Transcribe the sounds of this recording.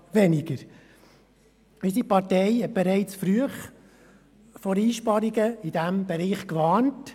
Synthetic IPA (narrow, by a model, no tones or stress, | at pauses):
ʋɛnɪɡ̥əɾ | ɪdipɑɾtɛɪhɛt̚b̥eɾɛɪt͡sfɾyəχ | foɾiːʃpɑɾiɡəid̥æmb̥ɛɾiːχkʋɑːnt